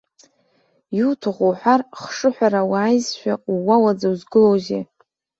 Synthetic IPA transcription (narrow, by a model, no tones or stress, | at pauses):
jutʰɨʁʷoħʷᶣarχʂɨħʷᶣaɾawaːjzʃᶣauwawad͡zauzɡɨlowzḛ